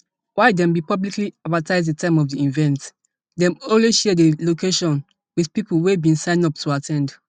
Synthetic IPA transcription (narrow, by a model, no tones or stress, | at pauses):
waɪdɛ̃mbipɔblikliadvataɪzdətʰãɪ̃mɔvdiĩnvɛ̃nt | dɛ̃mɔlweʃɛdelokeʃɔ̃n | wið̥pipəlˠwebĩnsãɪ̃nɔp̚tʰuatʰɛ̃nd